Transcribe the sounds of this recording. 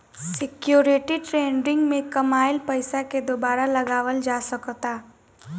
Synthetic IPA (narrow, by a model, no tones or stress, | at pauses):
sɪkjoːɾɪʈiʈɾeːnɾɪ̃ŋɡmẽkɐmaːɪlpɐɪsaked̪oːbaːɾalɐɡaːʋəld͡ʒaːsɐkt̪aː